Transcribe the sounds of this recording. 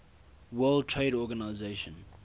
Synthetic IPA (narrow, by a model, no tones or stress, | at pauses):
wɜːlˠd̚tʰɹeɪɾɔɡanaɪzeʃə̃n